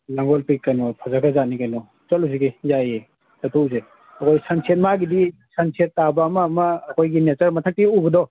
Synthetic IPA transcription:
laŋɡɔlpikːanɔpʰazaɡazanikanɔ | t͡ʃɔluziɡejaje | sɐtʰuze | ɐkʰɔjsansʰiet̚maɡidisansʰiet̚ːabaːmaːmɐːkʰojɡinet͡ʃɐɾmɐtʰɐk̚tiubɐdɔ

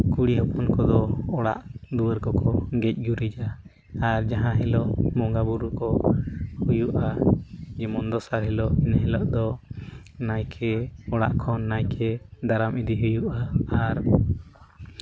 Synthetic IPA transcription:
kuɽiɦɔpɔnkɔd̪ɔɔɽa̰ʔd̪uwəɾkɔkɔɡɛc̚ˀɡuɾid͡ʒa | aɾd͡ʒaɦãɦɛlɔʔmɔŋɡabuɾukɔ | hujuʔad͡ʒɛmɔnd̪ɔsaɾɦɛlɔʔinɦɛlɔʔd̪ɔ | najkʰɛɔɽa̰ʔkʰɔnːajkʰɛd̪aɾamid̪iɦujuʔaaɾ

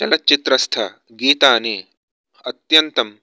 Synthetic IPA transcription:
t͡ʃɐlɐt͡ʃit̪ɾɐst̪ʰɐ | ɡiːt̪aːneː | ɐt̪jɐnt̪ɐm

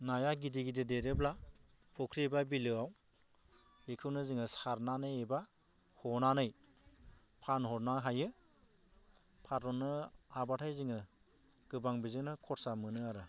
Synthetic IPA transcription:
najaɡidiɡidedeɾɯbla | pʰɔkʰɾibabilɯaw | bekʰɯwnɯziŋɯsaɾnanɯjeba | hɔnanɯj | pʰanhɔɾnaɦajɯ | pʰatɾɔnɯabatʰajziŋɯ | ɡ̥ɯbaŋbizɯnɯkʰɔɾsamɯnɯaɾɯ

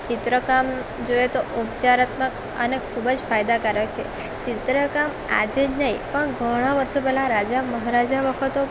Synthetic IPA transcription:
t͡ʃɪt̪ɾəkam | d͡ʒojet̪oʔupt͡ʃaɾat̪mək | ənekʰubəd͡ʒfajd̪akəɾək̚t͡ʃʰḛ | t͡ʃɪt̪ɾəkam | a̰d͡ʒed͡ʒnəĩpəɳɡʱəɽ̃aʋəɾʃopɛɦlãɾad͡ʒaməɦaɾad͡ʒaʋəkʰət̪o

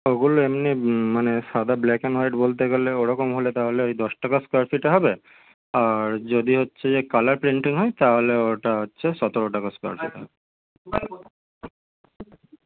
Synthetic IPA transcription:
oɡuloemnimaneʃad̪ablɛkenaɾeʈbolt̪̬eɡeleoɾɔkomɦolet̪aɦoleojd̪ɔʃʈakaskaɾfiʈaɦɔbe | aɾd͡ʑod̪iɦotːɕʰed͡ʑekalaɾpɾiɳʈiŋɦɔjt̪aɦoleoʈaɦotːɕʰeʃɔt̪oɾoʈakaska̰ɾfḭʈɦɔb

